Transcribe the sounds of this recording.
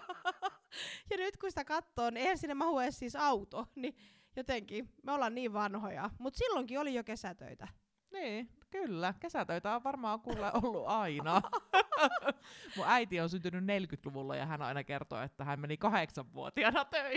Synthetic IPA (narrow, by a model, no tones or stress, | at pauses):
jɑnyt̪kusit̪ækɑt̪ːoːnieihænsinːemɑhuessiːsɑut̪oni | jot̪eŋkimeolːɑnniːʋʋɑnhojɑ̰mut̪silːoŋkiolijokesæt̪ø̰it̪æ | niːkylːækesæt̪øit̪æoʋʋɑrmɑːŋkuːlːeʔolːuɑinɑ | muæit̪ionsynt̪ynynnelkyt̪luʋulːɑ̰jɑ̰hænɑ̰inɑkert̪o̰ḛt̪ːæhæmmenikɑheksɑʋʋuo̰t̪iɑnɑt̪øi